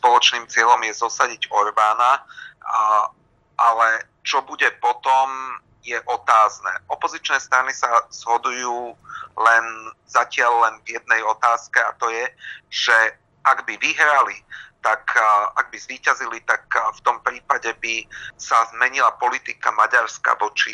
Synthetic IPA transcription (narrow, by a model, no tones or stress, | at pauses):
spɔlɔt͡ʃniːmt͡sɪɛlɔmjɛzɔsaɟiɟɔɾbaːna | ʔalɛ | t͡ʃɔbuɟɛpɔt̪ɔm | jɛʔɔt̪aːznɛ̰ːʔɔpɔzit͡ʃnɛːst̪ɾanisaz̥ɦɔd̪ujuːlɛnzacɪalːɛnvjɛd̪̚nɛjɔt̪aːskɛat̪ɔjɛʒ̥ɛ | ʔaɡbiʋiɦɾalit̪akaɡ̚bizʋiːcazilit̪akft̪ɔmpɾiːpaɟɛbisazmɛɲilapɔlit̪ika̰maɟaɾska̰ʋɔt͡ʃi